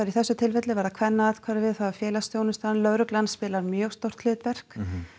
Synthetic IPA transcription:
aɾiθɛsːʏt̪ʰɪlvɛt̪lɪvaːɾðakʰvɛnːaaːðkʰvaːɾɪvɪðθavafjɛːlast̪jownɪst̪aːnlœɾʏklanspɪːlaɾmjœɣst̪owr̥t̪ʰlɪːt̪vɛr̥k

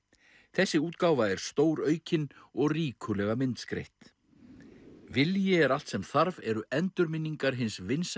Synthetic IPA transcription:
θɛsːɪuːt̪kaːwvaɛɾ̥st̪oːwɾœːɥcɪnɔɣriːkʰʏlɛɣamɪnt̪skɾḛjht̪ | vɪljɪɛɾal̥t̪sɛmθaɾvɛɾʏʔɛnt̪ʏɾmɪnːiŋkaɾ̥ɦɪnsvɪns

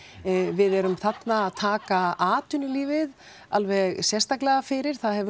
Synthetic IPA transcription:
vɪðɛɾʏmθat̪naːðt̪ʰaːkaaːt̪ʏnɪliːvɪð | alvɛɣsjɛst̪aklɛɣafɪɾɪɾ̥θaðhɛvʏ

